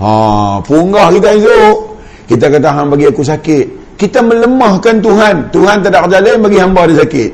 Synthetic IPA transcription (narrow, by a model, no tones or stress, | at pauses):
ã̰puŋɡahkit̪̬aito | kit̪akant̪aɦanbaɡiakus̬akɪt̪̚ | kit̪amələmahkant̪̬uɦant̪uɦant̪̬adaʔkd͡ʒalanbaɡiɦambadasakɪ̰t̪̚